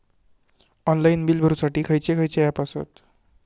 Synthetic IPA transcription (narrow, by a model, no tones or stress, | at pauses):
ɔnlainbilbʱəɾusaʈiːkʰəjt͡ɕekʰəjt͡ɕejapasə̰t̪